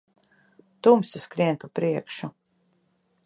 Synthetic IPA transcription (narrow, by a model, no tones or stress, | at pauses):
t̪umsʲiskɾiɛnt̪upɾiɛkʃu